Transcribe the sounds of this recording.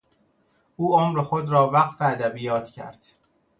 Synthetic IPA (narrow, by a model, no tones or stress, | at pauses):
ʔuːomɾexod̪ɾɒːvæqfeæd̪æbijɒːt̪ʰcʰæ̰ɾd̪̥